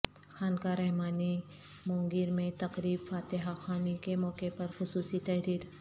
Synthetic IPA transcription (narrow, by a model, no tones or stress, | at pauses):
xaːnkaɾɛɦmaːni | mõːŋɡɪɾmẽt̪ɐqɾiːbfaːt̪ɪɦaxaːnikemɔːkepɐɾxʊsuːsit̪ɛɦɾiːɾ